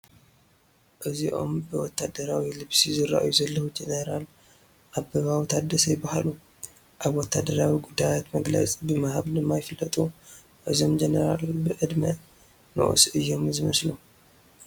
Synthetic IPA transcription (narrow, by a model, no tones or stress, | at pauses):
ʔɨziʔo̞̰mbɨwɔt̪ʰːad̪ɐɾawilɨβsizɨɾa̰ʔjuzɐlːɐhud͡ʒenɐɾal | ʔaβbɐβawt̪ʰad̪ɐsɐjɪbahalu | ʔaβwɔt̪ʰːad̪ɐɾawiɡud̪ːajat̪mɐɡlɐ̰t͡sʼibɨmahaβd̪ɨmːajɪfɨlːɐt̪ʼu | ʔɨzo̞md͡ʒenɐɾalbɨʔɨd̪mɐ | no̰ʔsʔɨjːo̞mzɨmɐslu